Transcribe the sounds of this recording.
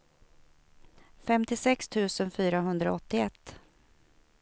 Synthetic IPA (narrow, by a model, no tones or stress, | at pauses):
fɛmt̪ɪsɛkst̪ʰʉ̟ːsənfyːɾaɦɵnd̪ɾaɔt̪ːɪɛt̪ː